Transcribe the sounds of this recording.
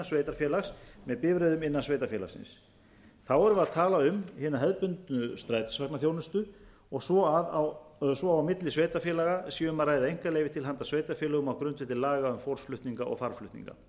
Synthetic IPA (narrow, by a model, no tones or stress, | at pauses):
asveːjt̪aɾfjɛːlaxsmɛðpɪːvɾeðʏmɪnːansvejt̪aɾfjɛːla̰sɪ̰ns | θawɛɾʏvaðt̪ʰaːlaʏmhɪːnaɦɛðpʏnt̪nʏst̪ɾaːjt̪ḁsvaknaθjownʏst̪ʏ | ɔɣsɔðsvɔaawmɪt̪lɪsveːjt̪aɾfjɛːlaɣasiːʏmaðraːjðaejŋ̥kaleːjvɪt̪ʰɪlɦant̪asveːjt̪aɾfjɛːlʏɣʏmawkɾʏnt̪vɪht̪ɪlaːɣaʏmfowɾ̥sflʏht̪niŋkaʔɔ̰ɣfaɾ̥flʏht̪nḭŋka̰